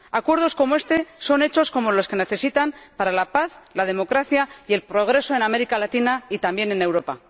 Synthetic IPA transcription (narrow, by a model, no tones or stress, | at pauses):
akwe̞ɾð̞o̞sko̞moe̞st̪e̞so̞ne̞t͡ʃo̞sko̞mo̞lo̞ske̞ne̞θe̞sit̪ampaɾalapaθlað̞e̞mo̞kɾaθjaie̞lpɾo̞ɣ̞ɾe̞so̞ename̞ɾikalat̪inait̪ambje̞ne̞ne̞wɾo̞pa